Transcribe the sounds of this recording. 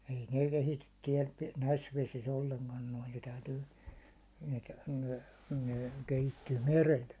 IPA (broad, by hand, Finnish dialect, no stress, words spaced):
ei neˑ kehityt tiɛl næis ʋesis olːeŋkɑn noi ne tæytyː ne ne kehitːyː merel